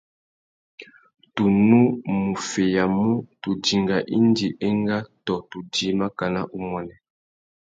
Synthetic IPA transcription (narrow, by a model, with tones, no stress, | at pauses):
tu˨nu˦mu˨fe˨ja˨mu˦tu˨d͡ʒi˨ŋɡa˨ʔi˦ndi˨ʔe˦ŋɡa˦tɔ˨tu˨d͡ʒi˨ma˦ka˨na˦ʔu˦mwɔ˦nɛ˨